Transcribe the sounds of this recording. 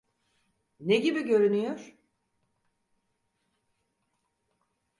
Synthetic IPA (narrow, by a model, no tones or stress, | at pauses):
neɟibiɟø̞ɾynyjoɾ̥